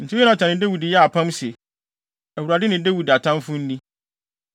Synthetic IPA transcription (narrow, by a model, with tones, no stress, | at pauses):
n̩˨tʰɪ˦ɛ˦ã˨tʰã˨nɪ̃˨de˦wi˨dɪ˨jɛ˦a˨pʰã˦mse˨ | æ˨wu˨ɾa˨dɪ˦nɪ̃˨de˦wi˨da˨tʰã˦mfʊ̃˦n̩˦nĩ˦